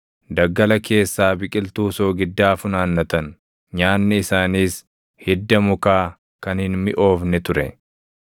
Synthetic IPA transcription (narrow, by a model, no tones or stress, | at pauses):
d̪ɐɡːɐlɐke̞ːsːaːbɪkʼɪlt̪uːsoːɡɪd̪ːaːfʊnaːnːɐt̪ɐn | ɲaːnːɪɪsaːniːs | hɪd̪ːɐmʊkaː | kɐnhɪnmɪʔo̞ːfnɛt̪ʊɾɛ̰